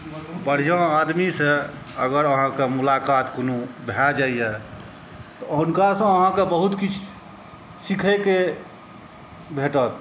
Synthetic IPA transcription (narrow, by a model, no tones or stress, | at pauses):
bəɽ̤ijə̃ad̪misẽəɡəɾəɦãkemulakat̪konubʱɛd͡ʒaijɛ | t̪ɔunkasə̃əɦãkebəɦut̪kit͡ʃʰ | sikʰeke | bʱeʈət̪̚